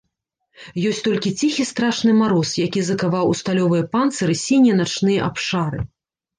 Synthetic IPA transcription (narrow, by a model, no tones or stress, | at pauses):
jɔsʲt̪ɔlʲkʲit͡sʲixʲist̪ɾaʂnɨmaɾɔsjakʲizɐkavawust̪alʲɔvɨjɐpant̪sɐɾɨsʲinʲijɐnat͡ʂnɨjɐʔapʂaɾɨ̰